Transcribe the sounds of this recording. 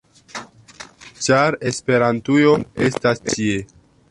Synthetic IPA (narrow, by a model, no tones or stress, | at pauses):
t͡ʃaɾe̞spe̞ɾantujoe̞stastie̞